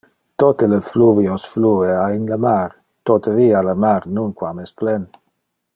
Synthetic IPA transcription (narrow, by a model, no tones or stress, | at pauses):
t̪ot̪ələfluviosflueainləmaɾ | t̪ot̪ʰaviːaləmaɾnunkwamɛsplɛn